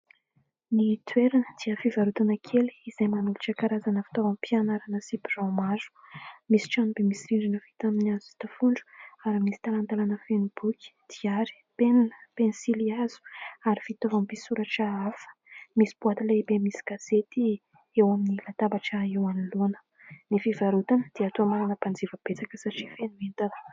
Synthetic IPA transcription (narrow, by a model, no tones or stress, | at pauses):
nit̪ʰweɾanəd̪̥iəfivaɾut̪anəkʰeli̥izajmanuluʈ͡ʂəkaɾazanəfi̥t̪ovampianaɾanəsibirawmazu̥misi̥ʈ͡ʂanubemisiɾiɳɖ͡ʐinəvit̪aminiazui̥t̪əfuɳɖ͡ʐu̥aɾimisi̥t̪alant̪alanəfenbukʲi̥d̪̥iaɾi̥peninə̥penisiliaz̥u̥aɾifit̪ovampisuɾaʈ͡ʂaafə̥misi̥b̥uat̪ilaibemisi̥ɡ̥az̥et̪i | ewaminilat̪ambaʈ͡ʂaewanilonə̥ | nifivaɾut̪anəd̪̥iat̪uamaɾanəpand͡zivəb̥et͡sakəsaʈ͡ʂifenuent̪anə̥